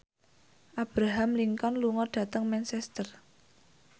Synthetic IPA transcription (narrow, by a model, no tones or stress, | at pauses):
ʔab̥ɾaɦamliŋkɔnluŋɔɖ̥ä̤t̪əŋmɛnsɛst̪ər